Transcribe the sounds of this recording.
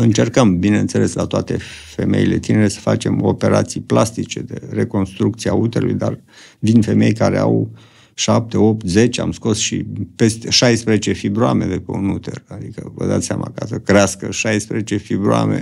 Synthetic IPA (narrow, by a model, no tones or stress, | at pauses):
ɨnt͡ʃe̞rkəmbineɨnt̪se̞le̞slat̪oat̪e̞fe̞me̞ile̞t̪ineɾe̞sə̥fa̰t͡ʃe̞mo̞̰pe̞ɾat̪sijplast̪it͡ʃe̞d̪ere̞ko̞nst̪ɾuk̚t̪siaut̪eɾulṵjd̪ar | vind̪fe̞me̞jkaɾe̞aw | ʃap̚t̪e̞opt̪zet͡ʃea̰msko̞sʃḭpe̞st̪e̞ʃajspɾezet͡ʃe̞fibɾuame̞d̪epeunut̪erad̪ikəvə̰d̪a̰t̪sʲamʔakasəkɾeaskəʃajspɾezet͡ʃe̞fibɾua̰mḛ